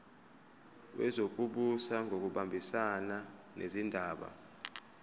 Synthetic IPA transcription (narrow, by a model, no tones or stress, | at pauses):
wʔɛ̰zok̬uɓusaŋʱok̬uɓambʱisana | nʔḛzindʱaːɓa̰